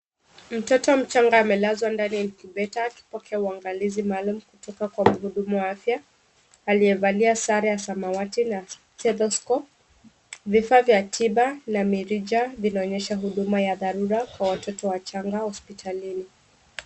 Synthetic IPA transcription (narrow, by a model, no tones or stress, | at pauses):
m̩tɔtɔm̩t͡ʃaŋɡaːmɛlazwandaniɛnikiɓɛtaːki̥pɔkʰɛauaŋɡalizimalumukutɔkakwam̩ɦuɗumuwaafjaː | liɛvaliasaɾajasamawatina | tɛðɔskɔp | vifavjatʰiɓanamiɾid͡ʒavinaɔɲɛʃaɦuɗumajaðaɾuɾakwawatɔtɔwat͡ʃaŋɡahɔspitʰalini